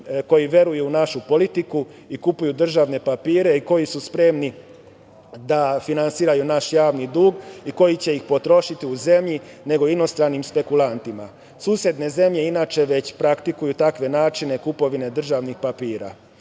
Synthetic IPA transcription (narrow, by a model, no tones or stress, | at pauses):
ko̞jiʋje̞ɾujuunaʃupo̞lit̪iku | ikupujud̪r̩ʒaːʋne̞papiːɾe̞iko̞jisuspɾe̞mni | d̪afinansiːɾajunaʃjaːʋnid̪uːɡiko̞jit͡ɕe̞ixpo̞t̪ɾo̞ʃit̪iuze̞mʎi | ne̞ɡo̞ino̞st̪ɾanimspe̞kulˠant̪ima | suːsje̞d̪ne̞ze̞mʎe̞inaːt͡ʃe̞ʋe̞t͡ɕpɾakt̪ikujut̪akʋe̞naːt͡ʃine̞kupo̞ʋine̞d̪r̩ʒaʋnixpapiːɾa̰